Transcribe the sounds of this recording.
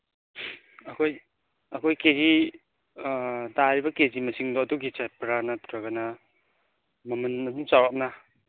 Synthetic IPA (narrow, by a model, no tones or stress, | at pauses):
ɐkʰoj | ɐkʰojkeɾi | daɾibɐkezimɐsiŋdɔɐduɡit͡ʃapɾanɐtʰɾaɡanɐ | mɐmɐnɐdumsawap̚na